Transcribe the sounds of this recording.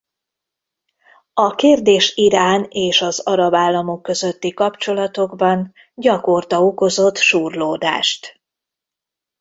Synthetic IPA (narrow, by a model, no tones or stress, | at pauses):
ɒkeːrd̪eːʃiɾaːneːʃɒzɒɾɒbaːlːɒmo̞kːø̞zø̞t̪ːikɒpt͡ʃo̞lɒt̪o̞ɡbɒn | ɟɒko̞rt̪ɒo̞ko̞zo̞t̪ːʃuːrloːd̪a̰ːʃt̪